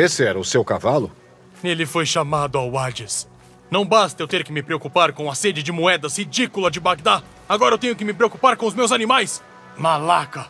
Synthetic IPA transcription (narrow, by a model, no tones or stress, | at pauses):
esɪɛɾɐʊsewkavalʊ | nelɪfojʃamad̪ʊawad͡ʒɪs | nɐ̃w̃bast̪ɐewt̪eɾkɪmɪpɾeokupaɾkõw̃ɐsed͡ʒɪd͡ʒɪmuɛd̪ɐshid͡ʒikulɐd͡ʒɪbak̚d̪a | aɡɔɾɐewt̪ẽɲ̃ʊk̬ɪmɪpɾeokupaɾkõʊzmewzanĩmajs | malakɐ